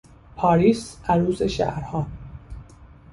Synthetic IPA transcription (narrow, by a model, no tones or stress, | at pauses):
pʰɒːɾiːsæɾuːzeʃæ̰ʔɾhɒː